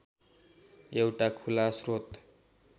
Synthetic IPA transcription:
ewʈakʰulasrot̪

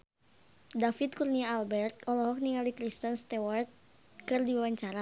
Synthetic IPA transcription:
dafit̪̚kurniaːlbɛrt̪̚ɔlɔɦɔk̚niŋalikɾist̪ənst̪ɛwart̪̚ | kɨrdiwawaɲt͡ʃaɾa

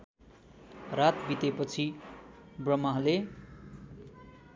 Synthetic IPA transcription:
rat̪bit̪epʌt͡sʰi | brʌmaɦle

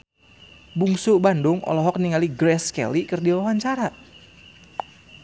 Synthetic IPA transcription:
buŋsubandʊŋʔɔ̰lɔɦɔk̚niŋaliɡɾɛskɛ̰likɨrdiwawaɲt͡ʃaɾa

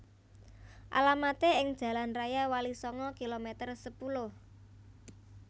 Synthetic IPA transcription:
ʔa̰lamat̪eɪŋd̥ʒ̥ä̤lanrajawalisɔŋɔkilomet̪ərsəpulʊh

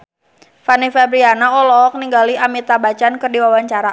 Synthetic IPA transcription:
fanifɛbɾianaɔlɔk̚niŋɡaliamit̪abat͡ʃankərdiwawaɲt͡ʃaɾa

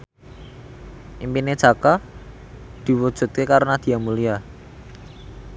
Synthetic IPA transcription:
ʔimpined̥ʒ̥a̤ka | d̪̥i̤wud̥ʒ̥ṳt̪̚kekaɾnad̪̥i̤amulia

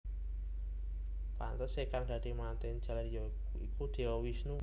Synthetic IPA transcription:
pa̰nt̪əsekaŋd̪̥ä̤d̪̥i̤mant̪ɛn̥ʒ̥a̤lrjɔ | ikud̪̥e̤wɔwisnu

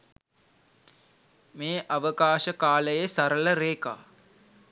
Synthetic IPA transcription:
meːʔaʋəkaːʃəkaːləjesaɾələɾeːka̰ː

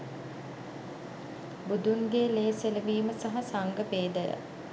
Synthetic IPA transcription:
bud̪uŋɡeːleːseləʋiːməsaɦasaŋɡəpeːd̪əjə̰

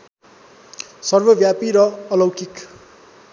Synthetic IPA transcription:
sʌrbʌbjapiɾʌːlʌwkik

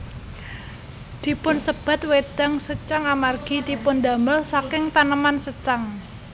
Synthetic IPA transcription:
d̪̥i̤pʊnsəb̥a̤t̪̚wed̪̥aŋsət͡ʃaŋamarɡ̥i̤d̪̥i̤pʊnd̪a̤məlsakɪŋt̪anəmansət͡ʃaŋ

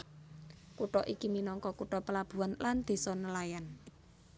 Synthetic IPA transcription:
kuʈɔʔikiminɔŋkɔkuʈɔpəlab̥ṳanland̪̥e̤sɔnəlajan

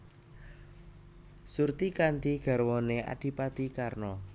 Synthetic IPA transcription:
surt̪ikant̪iɡ̥a̤ɾwɔnea̰d̥i̤pad̪̥ikarnɔ

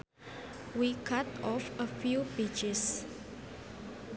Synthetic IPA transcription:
wikʰatɔfəfjupet͡ʃɪs

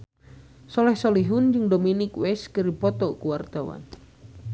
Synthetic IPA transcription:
sɔlɛhsɔliɦund͡ʒɨŋdominikwɛskɨɾipɔt̪ɔkuwart̪awa̰n

